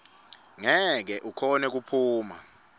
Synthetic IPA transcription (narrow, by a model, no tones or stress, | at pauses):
ŋɛk̬ɛʔukʰɔnɛk̬upʰuːma̰